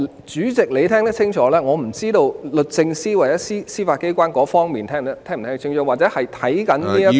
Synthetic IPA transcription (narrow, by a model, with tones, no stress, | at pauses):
t͡ʃyː˨˥t͡sɪ˨k̚le˨˧jt̪ʰɛː˥ŋt̪ɐ˥t͡sʰɪ˥ŋt͡ʃʰɔː˨˥lɛː˥ŋɔː˨˧m̩˨˩t͡siː˥t̪o˧wlɵ˨t̚t͡sɪ˧ŋsiː˥wɐ˨˩jɐ˦˥siː˥siː˥faː˧t̚ke˥jkʷwaː˥nkɔː˨˥fɔː˥ŋmiː˨nt̪ʰɛː˥ŋt̪t̪ʰɛː˥ŋm̩ʰ˨˩ɛː˥t͡ɕʰɪ˥ŋt͡ʃʰɔː˨˥waː˨˩t͡sɛː˨˥hɐ˨jt̪ʰɐ˨˥jkɐ˨˥nniː˥jɐ˥